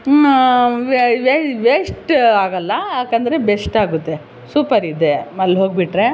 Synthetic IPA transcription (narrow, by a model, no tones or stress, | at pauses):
ʋeʋesʈaːɡɐlːɐaːkɐnd̪ɐɾe̞besʈaːɡut̪ːe | suːpɐɾid̪emɐllːɦoːɡ̚biʈɾe